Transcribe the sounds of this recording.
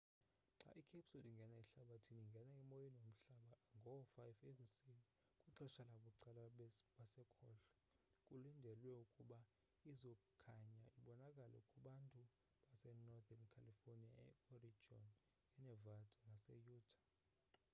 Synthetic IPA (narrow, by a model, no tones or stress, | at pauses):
ŋ͡ǁa̰ʔikʰepsuliŋɡʱɛnaiɬaɓatʰiniŋɡʱɛnaimojinom̩ɬaɓaŋɡʱɔfajfekʼusini | kʼuǁɛʃalaɓuǀalaɓasɛkʰɔːɬɛ̥ | kʼulindʱɛlwɛukʼuɓa | izɔkukʰaɲaʔiɓɔnakʼalɛ̰ukʼuɓantʼu | ɓasɛnɔdankʰalifonia̰ɛ̰ɔrid͡ʒɔ̰n | ɛnɛvadʰʱʼɔnasɛ̰juːdʰʱʼḁ